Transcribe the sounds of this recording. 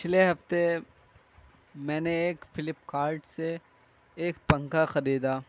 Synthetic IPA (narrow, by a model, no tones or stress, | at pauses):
pɪt͡ʃʰleɦɐft̪e | mɛ̃ːneeːkfɪlɪpkaːɾʈseː | k̚pɐ̃ŋkaxɐɾiːd̪aː